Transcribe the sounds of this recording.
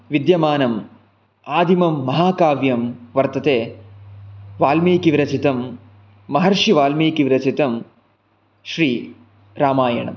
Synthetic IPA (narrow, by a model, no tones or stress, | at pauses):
ʋid̪jɐmaːnɐm | aːd̪ʱimɐmːɐɦaːkaːʋjɐmʋɐɾt̪ɐt̪eː | ʋaːlmeːkiʋɾɐt͡ʃit̪ɐmː | ɐɦɐɾʂiʋaːlmeːkiʋɾɐt͡ʃit̪ɐm | ʃɾiː | ɾaːmaːjɐɳɐ̰m